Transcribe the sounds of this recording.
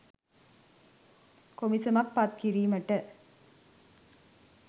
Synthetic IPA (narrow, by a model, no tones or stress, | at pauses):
komisɐmɐk̚pɐt̪̚kiɾiːmɐʈːɐ